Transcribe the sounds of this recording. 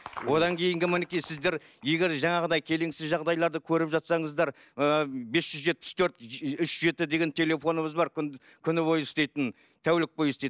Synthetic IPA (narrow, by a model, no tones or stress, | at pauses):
wo̞d̪ɑŋkʲʰe̞jɪŋɡʲɪmɪnɪkʲejsɪzd̪e̞ɾ | je̞ɡʲe̞ɾʒɑɴɑʁəd̪ɑjkʲʰe̞leŋsɪzʒɑʁd̪ɑjlˠɑɾd̪əkʲʰɵɾɪpʒɑt̪sɑɴəzd̪ɑɾ | əbe̞sʒ̥ʏzʒe̞t̪̚pɪ̥st̪ʰɵɾt̪ʏʃʒe̞t̪ɪd̪e̞ɡʲe̞nt̪ʰe̞le̞fo̞nəβəzbɑɾkʲ | kʲʰʏnɪbo̞jʏst̪ejt̪ən | t̪ʰæwlɪk̚bo̞jʏst̪ej̪